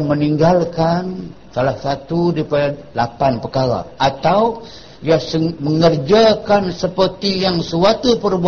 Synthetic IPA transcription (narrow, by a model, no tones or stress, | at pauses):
məniŋɡalkan | salahsat̪udipada | lapanpəkaɾa̰ʔat̪aw | diasəməŋərd͡ʒakansəpərt̪ijaŋsəwat̪upərbu